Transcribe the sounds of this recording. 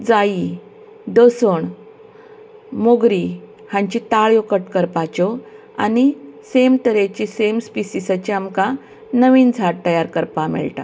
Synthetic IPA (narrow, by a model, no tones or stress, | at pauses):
d͡zai | d̪osəɳ | moɡɾi | hãɲt͡ɕit̪aɭjokəʈkəɾpat͡ɕɔ | a̰nisemt̪əɾet͡ɕisemspisisat͡ɕiamkã | nəʋiːnd͡zʱaɾt̪ːəjaɾkəɾpamɛ̰ɭʈa̰